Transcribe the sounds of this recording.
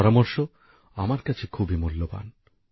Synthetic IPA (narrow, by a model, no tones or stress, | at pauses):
ɾamoɾʃo | amaɾkat͡ɕʰekʰubimulːoba̰n